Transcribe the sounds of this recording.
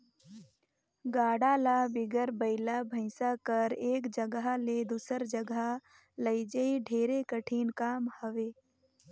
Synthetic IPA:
ɡaːɽaːlabɪɡəɾbəɪlabʱə̃ɪsakəɾeːkd͡ʒəɡɦled̪uːsəɾd͡ʒəɡa | ləɪd͡ʒəiɖʱeːɾekəʈʰiːnkaːmhəʋeː

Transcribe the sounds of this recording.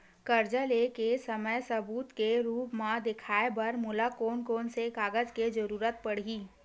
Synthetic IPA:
kəɾd͡ʒəlekesəməjsəbuːt̪keɾuːpmãd̪ɪkʰaːebɐɾmʊlakoːnkoːnseɡaːɡəd͡ʒked͡ʒəɾuːɾət̪̚pəɽ̤iː

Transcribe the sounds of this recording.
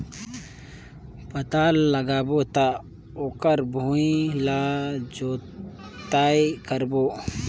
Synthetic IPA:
pət̪aːlləɡaːboːt̪a | okəɾbʱuĩlaːd͡ʒoː | t̪aːikəɾboː

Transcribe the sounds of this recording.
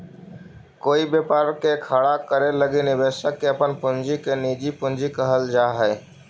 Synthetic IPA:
koːibeːpaːɾkekʰaːɽakəɾeləɡinɪbeːsəkːeəpənpʊnd͡ʒikenid͡ʒipʊ̃nd͡ʒikəɦəld͡ʒaːɦɛː

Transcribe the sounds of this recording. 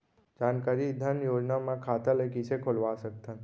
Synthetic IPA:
d͡ʒaːnkaːɾid̪ʱɐnjoːd͡ʒnamãkʰaːt̪alekisekʰolʋaːsək̚t̪ʰə̃n

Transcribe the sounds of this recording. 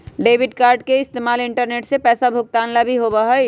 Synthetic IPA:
ɖeːbʱiɖkaːɾɖkeɪst̪eːmaːlɪɳʈəɾneːʈsepɛːsabʱʊk̚t̪aːnlabʱiɦobəɦə

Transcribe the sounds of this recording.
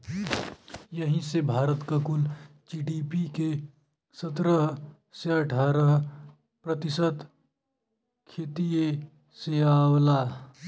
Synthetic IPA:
jɐɦĩsebʱaːɾət̪kakʊld͡ʒiːɖipike | sɐt̪ɾəɦ | seɐʈʰaːɾəɦ | pɾɐt̪ɪsəd̪ | kʰeːt̪ije | seaːwlaː

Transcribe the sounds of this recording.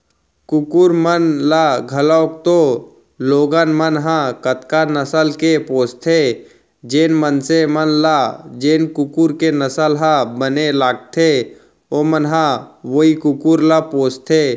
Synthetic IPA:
kʊkuɾmənlaɡʱəlɔːk̚t̪o | loːɡanmənɦãkət̪kanəsəlkepoːst̪ʰe | d͡ʒeːnmənsemənlad͡ʒeːnkʊkuɾkenəsəlɦãbənelaːɡ̚t̪ʰe | omənɦãʋoikʊkuɾlapoːst̪ʰeː

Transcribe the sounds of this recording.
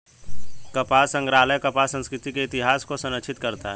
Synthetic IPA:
kɐpaːsə̃ŋɡɾaːləjkɐpasə̃nskɾɪt̪ikeɪt̪ɪɦaːskosɐ̃nətːʃʰɪt̪kɐɾt̪a̰ɦɛ

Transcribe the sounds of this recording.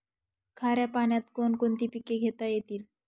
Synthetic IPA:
kʰaɾjapaɳjat̪konkont̪ipikeɡʱet̪ajet̪iːl

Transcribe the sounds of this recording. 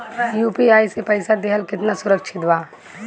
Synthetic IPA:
juːpiaːisepəɪsad̪eɦəlkɪt̪nasʊɾəkʃʰɪt̪ʋaː

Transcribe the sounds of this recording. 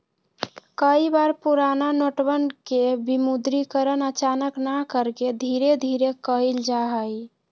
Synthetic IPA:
kəibaɾpuɾananoʈbənkebimud̪ɾikəɾənət͡ʃanəknakəɾked̪ʱiɾed̪ʱiɾekəild͡ʒaɦəj

